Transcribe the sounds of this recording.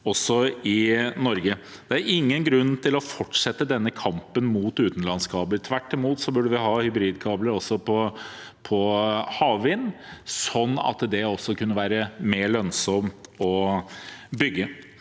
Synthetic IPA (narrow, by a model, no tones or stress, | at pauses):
ɔsːɔɪnɔɾɡə | d̪̥ɛæɾɪŋːənɡɾʉnːt̪ʰɪlɔfɔʈːʂɛt̪ːəd̪ɛnːəkʰɑmpənmuːt̪ʉːt̪n̩lɑnskʰɑːbləɾt̪ʰʋæʈːɪmuːt̪sɔbʉɖəʋɪɦɑːhʏbɾiːd̪kʰɑːbləɾɔsːɔpʰɔ | pʰɔhɑːʋʋɪnː | sɔnːɑ̰t̪d̪ɛɔsːɔkʉnːəʋæːɾəmeːɭœnsɔmt̪ɔ | bʏɡːə